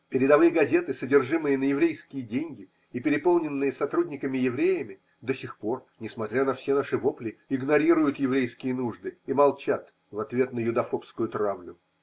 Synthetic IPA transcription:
pʲɪɾʲɪd̪ɐvɨjəɡɐzʲe̞t̪ɨsədʲɪrʐɨmɨjənəjɪvɾʲejskʲɪjədʲenʲɡʲɪ | ipʲɪɾʲɪpo̞lˠnʲɪnːɨjəsɐt̪ɾudʲnʲɪkəmʲɪjɪvɾʲejɪmʲɪ | d̪əsʲɪxpo̞rnʲɪsmɐt̪ɾʲanɐfsʲe̞naʂɨvoplʲɪɪɡnɐɾʲiɾʊjʊt̪jɪvɾʲejskʲɪjənuʐd̪ɨimɐlˠt͡ɕat̪ | vɐt̪vʲe̞t̪nəjʊd̪ɐfo̞pskʊjʊt̪ɾavlʲʊ

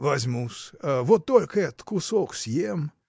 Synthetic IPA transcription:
vazʲmusvot̪ːolʲkʰɛt̪kʰusoksjem

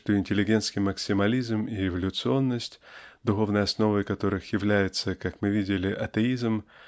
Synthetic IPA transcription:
t̪oɪnʲtʲɪlʲɪɡʲe̞nskʲɪjməksʲɪmɐlʲizmiɪvəlʲʊt̪sɨo̞nːəsʲtʲd̪ʊxo̞vnəjɐsno̞vəjkɐt̪o̞ɾɨxjɪvlʲæjɪt̪səkakmɨvʲidʲɪlʲɪʔɐt̪əizm̩

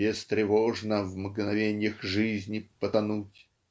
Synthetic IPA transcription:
ɪst̪ɾʲɪvoʐnəvmɡnɐvʲenʲɪjəxʐɨzʲnʲɪpət̪ɐnutʲ

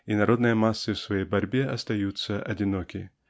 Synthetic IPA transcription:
inɐɾo̞d̪nɨjəmasːɨfsvɐjejbɐɾʲbʲeɐst̪ɐjut̪səʔɐdʲɪnokʲɪ̰

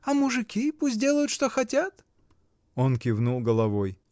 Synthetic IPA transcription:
ɐmʊʐɨkʲipusʲt̬̚ʲdʲe̞lˠəjʊt̪ʂt̪oxɐtʲat̪ | onkʲɪvnulˠɡəlˠɐvoj

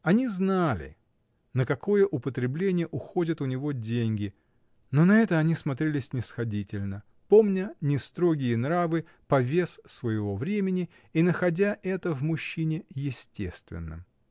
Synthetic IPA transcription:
ɐnʲiznalʲɪ̰ | nəkɐko̞jəʔʊpət̪ɾʲɪblʲenʲɪjəʔʊxo̞dʲət̪ʊnʲɪvo̞dʲenʲɡʲɪ | no̞nɐɛt̪əɐnʲismɐt̪ɾʲelʲɪsʲnʲɪsxɐdʲitʲɪlʲnə | po̞mnʲənʲɪst̪ɾo̞ɡʲɪjənɾavɨ | pɐvʲe̞ssvəjɪvo̞vɾʲemʲɪnʲɪ | inəxɐdʲaʔɛt̪əvmʊɕːinʲɪjɪsʲtʲe̞̰st̪vʲɪ̰nːə̰

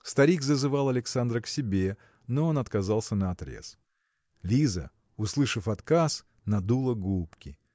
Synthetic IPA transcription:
st̪ɐɾʲikzəzɨvalˠɐlʲɪksand̪ɾəksʲɪbʲe | noo̞nɐt̪kɐzalˠsʲənəɐt̪ɾʲḛs | lʲizə̰ | ʊslˠɨʂɨfɐt̪kas | nɐd̪ulˠəɡupkʲɪ̰

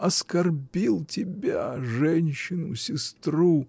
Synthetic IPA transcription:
ɐskɐrbʲilˠtʲɪbʲaʐɛnʲɕːɪnʊsʲɪst̪ru

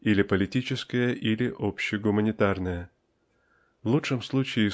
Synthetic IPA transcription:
ilʲɪpəlʲɪtʲit͡ɕɪskəjəʔilʲɪʔopɕːɪɡʊmənʲɪt̪arnəjə | vlˠuʂɨmslˠut͡ɕɪː

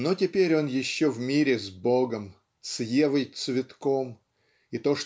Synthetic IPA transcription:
notʲɪpʲeɾʲo̞njɪɕːovmʲiɾʲɪzboɡəm | t̪sjevɨjt̪svʲɪt̪ko̞m | it̪o̞ʂ

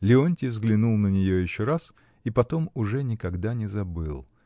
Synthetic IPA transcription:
lʲɪonʲtʲɪvzɡlʲɪnulˠnənʲɪjojɪɕːo̞ɾas | ipɐt̪o̞mʊʐɛnʲɪkɐɡd̪anʲɪzɐbɨlˠ

